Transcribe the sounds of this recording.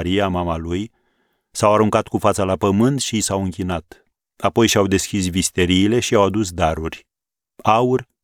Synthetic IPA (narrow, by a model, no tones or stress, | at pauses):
ɾiamamaluj | sawaɾuŋkat̪kufat̪səlapəmɨnt̪ʃisawɨŋkʲinat̪ | apo̞jʃawd̪e̞skʲisvist̪e̞ɾiːle̞ʃiawad̪usd̪aɾurʲ | aurʲ